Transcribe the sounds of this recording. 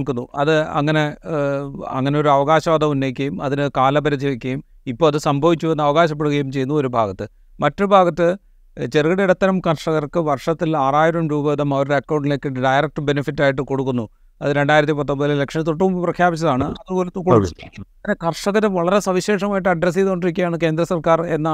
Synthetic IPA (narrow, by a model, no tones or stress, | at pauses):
ɭkunːuʔɐðɨɐ̰ŋːɐne̞ | ɐ̰ŋːɐne̞o̞ɾuɐʋɐɣaːɕɐʋɐːd̪ɐmunːejk̬ʲːɐjumɐðinɨkaːlɐbɐɾɐd͡ʑiʋikʲːɐjum | ipːo̞ːɭɐðɨsɐmbʱɐʋit͡ɕːuenːɐʋɐɣaːɕɐp̬ːeɽuɣɐjumt͡ɕe̞junːɐo̞ɾubʱaːɣɐt̪ːɨ | mɐtːoɾubʱaːɣɐt̪ːɨ | t͡ɕerɣiɽeiɽɐt̪ːɐnɐmkɐrʂɐɣɐrkɨʋɐrʂɐt̪ːilaːraːjiɾɐmɾuːbɐðɐmɐʋɐɾɽeɐkːɐwɳɖile̞ːkːɨɖɐjrɐk̚ʈɨbe̞nifitːaːjiʈ̬ːɨko̞ɽukːunːu | ɐðɨɾe̞ɳɖaːjiɾɐt̪ːipɐt̪ːombɐðille̞kʂɐnt̪uʈ̬ːumumbiprɐkʰjaːbit͡ɕːɐðaːɳɨɐðɨoːlet̪ːukːoukːɐŋːɐnekɐrʂɐɣɐɾʋɐɭɐɾe̞sɐʋiɕe̞ːʂɐmaːjiʈ̬ːɨɐɖres̬ijt̪oɳɖiɾik̬ʲːuɐjaːɳɨke̞ːnd̪rɐsɐrkaːre̞nːɐ